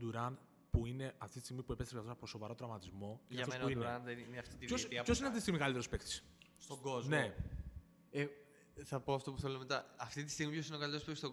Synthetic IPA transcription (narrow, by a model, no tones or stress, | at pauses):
d̪uɾɐn | puine̞ɐft̪it̪i̥st̪iɣmipuepet̪ɾpkɐft̪osɐposo̞vɐɾo̞t̪ɾɐmɐt̪izmo̞inʝɐɐfoninɾɐnðenineɐft̪it̪iosiɐçosinɐft̪ist̪imikɐlit̪eɾospekt̪i̥s | st̪oɡozne̞ | e | θɐpoɐft̪o̞puθelome̞t̪ɐɐft̪it̪̬i̥st̪iɣmipço̞sineo̞kɐlit̪eospest̪o